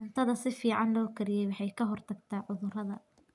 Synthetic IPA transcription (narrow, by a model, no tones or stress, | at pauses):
ʊnt̪ʰɐðɐsɪfiːʕɑnlɔːkʰɐɾɪjɛjwɑħɑjkʰɐɦɔrt̪ʰɐɡt̪ʰaːʕʊðʊrɐðɐ